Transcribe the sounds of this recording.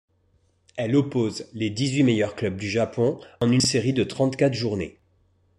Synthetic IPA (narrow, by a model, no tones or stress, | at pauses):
ɛlɔpozled̪izɥimejœʁklœb̚d̪yʒapɔ̃ɑ̃nyseʁid̪ət̪χɑ̃t̪kat̪χʒuʁnḛ